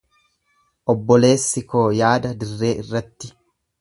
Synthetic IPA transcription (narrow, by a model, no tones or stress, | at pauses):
ʔɔbːɔle̞ːsːɪkʰo̞ːjaːd̪ɐd̪ɪrːe̞ːɪrːɐt̪ːɪ